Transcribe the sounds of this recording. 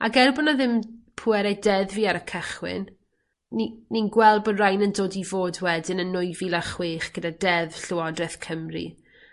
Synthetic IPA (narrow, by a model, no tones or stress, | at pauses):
a̰ɡɛrbɔnaðɪmpʰʊɛɾajdɛðviːaɾəkʰəχwɪ̰n | nininɡwɛlˠbərajnəndoːdivoːdwɛdɪnənːʊjvilaχweːχɡ̥ədadɛðɬʊɔdrɛθkʰəmrḭ